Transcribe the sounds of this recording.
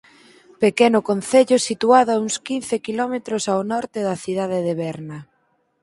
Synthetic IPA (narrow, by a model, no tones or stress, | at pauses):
pekenʊkonθeʎʊsit̪uaðʊauŋskinθekilɔmet̪ɾʊsawnɔɾt̪ɪðɐθið̞að̞eðeβɛɾnɐ